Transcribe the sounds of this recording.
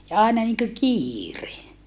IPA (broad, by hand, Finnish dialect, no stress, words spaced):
jɑ ɑˑenɑ niŋkø kiːre